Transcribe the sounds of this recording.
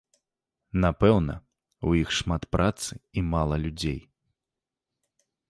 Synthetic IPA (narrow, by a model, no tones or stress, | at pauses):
napɛwnɐ̰ | ujixʂmat̪pɾʔat̪sɨimalˠɐlʲud͡zʲej